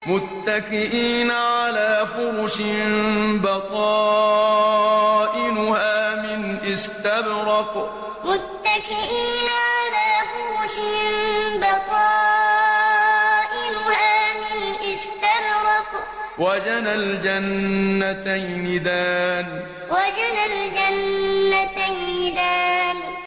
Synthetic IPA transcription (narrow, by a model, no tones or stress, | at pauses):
mʊt̪ːakɪʔiːnʕalaːfʊɾʊʃɪmbɑq̪ɑː | ʔɪnʊhaːmɪnʔɪst̪abɾɑq | mʊt̪ːakɪʔiːnʕalaːfʊɾʊʃɪmmbɑqɑː | ʔɪnʊhaːmɪnʔɪst̪abɾɑq | wad͡ʒanald͡ʒanːat̪ajnɪd̪aːn | wad͡ʒanald͡ʒanːat̪ajnɪd̪aːn